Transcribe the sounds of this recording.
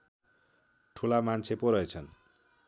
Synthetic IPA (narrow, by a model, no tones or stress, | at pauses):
ʈʰulamant͡sʰepoɾʌjt͡sʰʌn